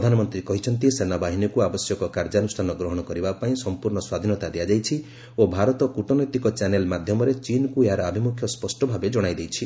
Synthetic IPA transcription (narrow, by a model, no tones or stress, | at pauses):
d̪ʱanɔmɔnt̪ɾikɔɦit͡ʃʰɔnt̪isenabaɦinɔkuabɔsjɔkɔkaɾd͡ʒanusʈʰanɔɡɾɔɦɔɽ̃ɔkɔɾibapaĩsɔmpuɾɳɔswad̪ʱinɔt̪ad̪ijad͡ʒajt͡ʃʰi | obʱaɾɔt̪ɔkuʈɔnɔjt̪ikɔt͡ʃanelmad̪ʱjɔmɔɾet͡ʃinɔkueɦaɾɔabʱimukʰjɔspɔsʈɔbʱabed͡ʒɔɽ̃ajd̪ejt͡ʃʰi